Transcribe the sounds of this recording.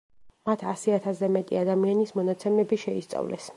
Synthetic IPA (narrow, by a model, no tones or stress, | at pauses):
mat̪ʰasiat̪ʰasɛmɛt̪ʼḭad̪amianismɔnat̪sʰɛmɛbiʃɛist̪sʼa̰vlɛ̰s